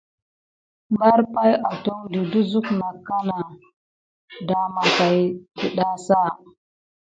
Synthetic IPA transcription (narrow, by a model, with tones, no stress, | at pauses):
mba˦ɾpa˦ja˨to˦ŋdi˨du˦zu˦kna˨kːa˦na˨ | da˨˦ma˨ka˨jdi˨ɗa˦sa˦˨